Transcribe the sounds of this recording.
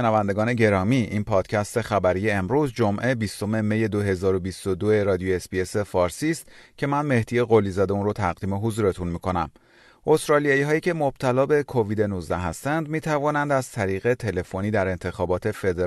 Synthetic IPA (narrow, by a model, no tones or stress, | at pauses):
ʃenævænd̪e̞ɡɒːne̞ɟeɾɒːmiːʔinpʰɒːd̪̥cʰæst̪e̞xæbæɾije̞ːmɾuːzd͡ʒomʔe̞bist̪o̞me̞meje̞d̪o̞ɦe̞zɒːɾo̞bist̪o̞d̪oe̞ɾɒːd̪ijoespie̞sefɒːɾsiːst̪cʰe̞mænme̞hd̪ije̞ɣolizɒːd̪eunrot̪ʰæɣd̪iːme̞ɦozuːɾe̞t̪ʰunmiːkʰo̞næm | ʔost̪ɾɒːlijɒːjiːɦɒːjiːcʰe̞mob̥̚t̪ʰælɒːbe̞kʰo̞viːd̪e̞nuzd̪æɦæst̪ænd̪miːt̪ʰævɒːnænd̪æz̥t̪ʰæɾiːɣe̞t̪ʰe̞le̞fo̞niːd̪æɾe̞nt̪ʰe̞xɒːbɒːt̪ʰe̞fe̞d̪e